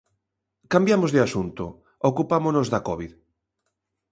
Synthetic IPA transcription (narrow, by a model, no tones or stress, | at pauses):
kambjamozðɪasunt̪o̰ | okupamonozðakɔβið